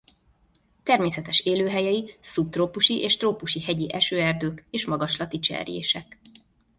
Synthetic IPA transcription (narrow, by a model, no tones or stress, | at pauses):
t̪ɛrmeːsɛt̪ɛʃeːløːɦɛjɛisup̚t̪ropuʃiʔeːʃt̪roːpuʃihɛɟiʔɛʃøːɛrd̪øːkeːʃmɒɡɒʃlɒt̪it͡ʃɛ̰rjḛːʃɛk